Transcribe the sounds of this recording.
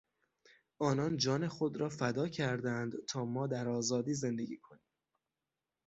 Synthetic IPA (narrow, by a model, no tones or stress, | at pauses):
ʔɒːnɒːnd͡ʒɒːne̞xo̞d̪ɾɒːfæd̪ɒːcʰæɾd̪ænd̪t̪ʰɒːmɒːd̪æɾɒːzɒːd̪iːze̞nd̪eɡʲiːkʰo̞niːm